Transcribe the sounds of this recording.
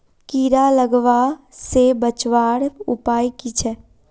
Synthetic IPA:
kiːɾaləɡʋasebət͡ʃʋaːɽʊ̰paːikit͡ʃʰɛ

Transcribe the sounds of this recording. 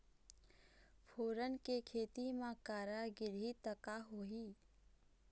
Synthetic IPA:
pʰoːɾənkekʰeːt̪imãkaːɾaɡɪɾit̪əkaɦoːɦi

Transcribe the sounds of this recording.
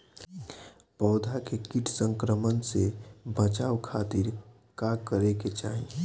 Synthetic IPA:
pɔːd̪ʱakekiʈʰsə̃ŋkɾəmənsebət͡ʃaːwkʰaːt̪iɾ | kakəɾeket͡ʃa̰ːɦĩ

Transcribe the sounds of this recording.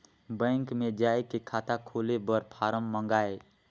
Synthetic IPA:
bə̃ːŋkmẽd͡ʒaːekekʰaːt̪akʰolebəɾpʰaːɾəmːəŋɡaːe

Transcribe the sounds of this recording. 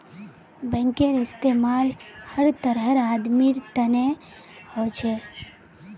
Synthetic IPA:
bɛ̃ŋkenɪst̪emaːlhəɾt̪əɾəɾaːd̪miɾt̪əne | hot͡ʃʰe

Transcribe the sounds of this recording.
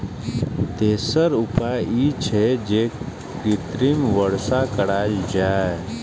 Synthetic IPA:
t̪eːsəɾʊpaːjiːt͡ʃʰed͡ʒeː | ɾɪt̪ɾimʋəɽsakəɽaːld͡ʒaːe

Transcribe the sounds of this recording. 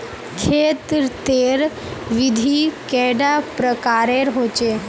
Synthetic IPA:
kʰet̪ɾt̪eɾ | ʋid̪ʱikɛɖapɾəkaɾeɾɦot͡ɕe

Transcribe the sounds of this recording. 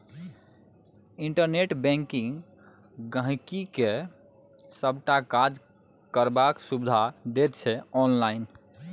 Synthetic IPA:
iɳʈəɾneʈbɛ̃ŋkiŋ | ɡə̃ɦkike | səbʱʈakad͡ʒ | kəɾbaksubd̪ʱad̪et̪̚t͡ʃʰɛɔnlaɪn

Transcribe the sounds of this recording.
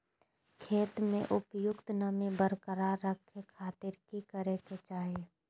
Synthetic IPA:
kʰeːt̪mḛ̃ʔʊpjʊkt̪nəmibəɾkəɾaːɾːəkʰːekʰaːt̪ɪɾkikəɾeket͡ʃaːɦe

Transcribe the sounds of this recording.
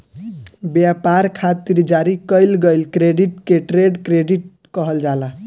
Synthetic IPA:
bjapaɾkʰat̪iɾd͡ʒaɾikəjlɡʌjlkɾeɖiʈkeʈɾeɖkɾeɖiʈ̚ | kʌɦəld͡ʒala

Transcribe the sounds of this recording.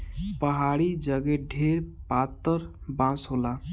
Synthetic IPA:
pəɦaɽid͡ʒəɡeɖʱeɾpat̪ːəɾbãsɦola

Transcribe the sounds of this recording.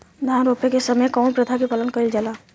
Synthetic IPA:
d̪ʱãɾoːpekesəməjkɔːnpɾət̪ʰakipələnkəɾild͡ʒalaː

